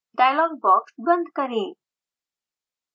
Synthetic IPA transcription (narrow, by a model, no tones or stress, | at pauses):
ɖajlɔŋɡ̚bɔksbənd̪ʱkəɾe